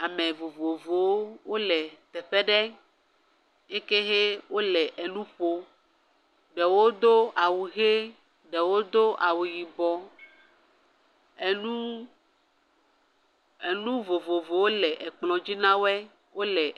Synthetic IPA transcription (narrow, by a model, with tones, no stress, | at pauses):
a˨mẽ˨vo˨vo˨vo˨wo˦wo˦lɛ˨t̪ɛ˨ɸɛ˦ɖɛ˦ | je˦ke˦ɦe˦wʔo˦lɛ˨ʔe˨nũ˦ɸo˦ | ɖɛ˨wo˦d̪o˦a˨wu˨ɦe˦ | ɖɛ˨wo˦d̪o˦ʔa˨wu˨ji˨bɔ˨ | e˨nũ˦ | e˨nũ˦vo˨vo˨vo˨wo˦lɛ˨ʔɛ˨k͡plɔ̃˨d͡ʑi˦nã˦wɛ˦ | wo˦lɛ˨